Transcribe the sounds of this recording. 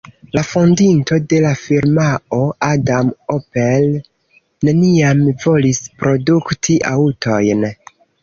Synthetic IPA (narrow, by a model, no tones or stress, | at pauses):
lafondinto̞de̞lafiɾmao̞ʔadamopel | ne̞niamvo̞lispɾo̞duktʰiʔa̰uto̞jn